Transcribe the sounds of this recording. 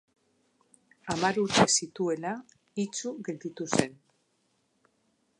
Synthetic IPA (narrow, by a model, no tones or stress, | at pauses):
amaɾuɾt̪e̞sit̪ue̞la | it͡suɣe̞ld̪it̪use̞n